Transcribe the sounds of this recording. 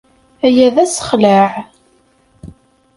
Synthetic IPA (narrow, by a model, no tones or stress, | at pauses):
æjæðæsə̥χləʕ